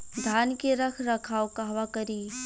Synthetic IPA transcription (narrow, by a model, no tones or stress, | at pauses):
d̪ʱaːnkeɾɐkʰɾɐkʰaːokaːʋakɐɾiː